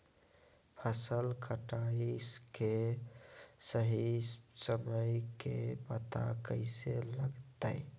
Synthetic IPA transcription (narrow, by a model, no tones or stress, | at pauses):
pʰəsəlkəʈaiske | səɦisəməjkebət̪a̰kəɪseləɡt̪əɪ